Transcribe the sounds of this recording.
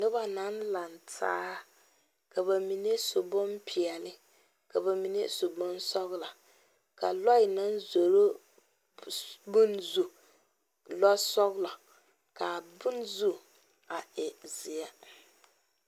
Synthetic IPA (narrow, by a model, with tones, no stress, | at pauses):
nɪ˦ba˨na˦n˦la˨ntʰa̰ː˦ha˦ | ka˨ba˨mi˨ne˦sʊ˨bʊ˦mpʰi˨ɛ˨lɪ˦ | ka˨ba˨mi˨ne˦sʊ˨bʊ˦nsɔ˦ɣla˨ | ka̰˨lɔ˦ɪ˨na˦nzo˨ɾo˦ | bʊ˦nzu˨ | lɔ˦sɔ˦ɣɪ˦la˨ | ka˨bʊ˦nzu˦ | a˨ɛ˨zɪ˨ɛ˦